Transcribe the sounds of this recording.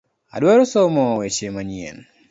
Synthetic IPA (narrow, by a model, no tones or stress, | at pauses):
a̰dwaɾɔsɔmɔwet͡ʃemaɲiɛ̰n